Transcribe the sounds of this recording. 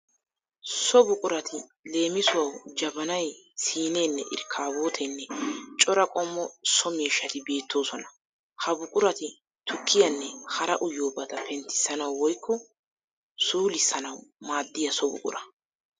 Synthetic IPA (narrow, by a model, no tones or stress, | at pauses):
sɔbʊkʼʊɾɐt̪ʰɪle̞ːmɪsʊwɐwd͡ʒɐbɐnɐjsiːne̞ːnːɛʔɪ̰ɾkʰːaːbo̞ːt̪ʰenːɛt͡ʃʼɔɾɐkʼɔmːɔsɔmiːʃːɐt̪ɪbe̞ːt̪ːo̞ːsɔnɐ̥ | hɐbʊkʼʊɾɐt̪ɪ | t̪ʊkʰːɪjɐnːɛhɐɾɐʔʊjo̞ːbɐd̪ɐpʰɛnt̪ːɪ̥sːɐnɐwwɔjkːɔ | suːlɪsɐnɐwmaːd̪ːɪjɐsɔbʊ̰kʼʊ̰ɾɐ